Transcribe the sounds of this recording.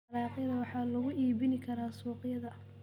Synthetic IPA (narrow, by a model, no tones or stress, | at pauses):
ɾɑːqɪjðɐwɑħɑːlɐɣʊʔiːβɪnɪkʰɐɾaːsuːqjɐðɐ